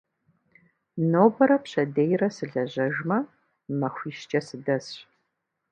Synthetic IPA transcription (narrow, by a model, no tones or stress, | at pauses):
nowbɐɾɐpɕɐdejrɐsɨɮɐʑɐʒmɐ | mɐxʷiːʃt͡ʃʼɐsɨdɐs